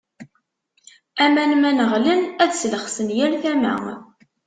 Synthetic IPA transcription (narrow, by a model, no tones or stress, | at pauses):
æmænmænəʁlənæðsləχsənjæɾθæmæ̰ŋ